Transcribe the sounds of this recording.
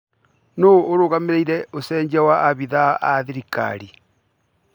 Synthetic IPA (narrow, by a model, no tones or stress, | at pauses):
noːɾoɣameɾeiɾeosɛːɲd͡ʒawaaβiðaʔaðiɾika̰ɾi